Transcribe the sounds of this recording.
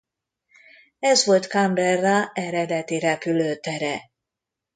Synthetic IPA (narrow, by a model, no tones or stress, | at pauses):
ɛzʋo̞lt̪kɑmbɛrːɑɛɾɛd̪ɛt̪iɾɛpyløːt̪ɛɾɛ